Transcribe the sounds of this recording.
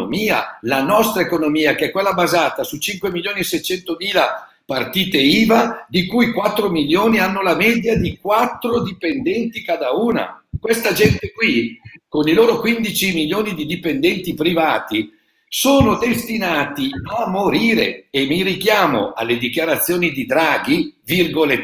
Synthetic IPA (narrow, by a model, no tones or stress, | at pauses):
miːa̰lanɔst̪ɾaekonomiːakeɛkːwelːabazaːt̪asut͡ʃiŋkwemiljoːniesɛjt͡ʃɛnt̪omiːla | part̪iːt̪eiːvad̪ikujkwat̪ːɾomiljoːnianːolamɛːd̪jad̪ik̚wat̪ːɾod̪ipend̪ɛnt̪ikad̪auːna̰kwest̪ad͡ʒɛnt̪ekwikoniloːɾokwind̪it͡ʃimiljoːnid̪id̪ipend̪ɛnt̪ipɾivaːt̪i | soːnod̪est̪inaːt̪iamːoɾiːɾḛemːirikjaːmo̰ʔa̰lːed̪ikjaɾat̪sːjoːnid̪id̪ɾaːɡivirɡole